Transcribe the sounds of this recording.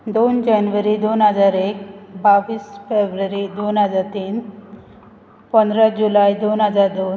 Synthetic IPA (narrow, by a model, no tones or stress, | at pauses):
d̪ond͡ʑanʋəɾid̪onɦəd͡zaɾek̚baʋiːsfebɾəɾid̪onɦəd͡zaɾt̪iːn | pənd̪ɾad͡ʑulajd̪onɦəd͡zaɾd̪on